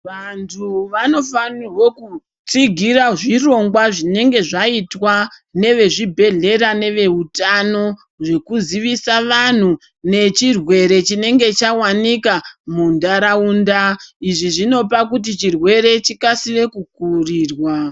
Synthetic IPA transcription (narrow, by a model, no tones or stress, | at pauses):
ʋantʰuʋano̞fanirwo̞ku | t͡siɡʱiraʐiro̞ŋɡwaʐine̞ŋɡe̞ʐaitwane̞ʋe̞ʐibʱe̞ɮe̞ɾane̞ʋe̞utano̞ | ʐe̞kuziʋisaʋan̤u | ne̞t͡ʃirwe̞ɾe̞t͡ʃine̞ŋɡe̞t͡ʃawanikamundaɾauːndaiʐiʐino̞p̬akut̬it͡ʃirwe̞ɾe̞t͡ʃikasire̞kukuriːrwa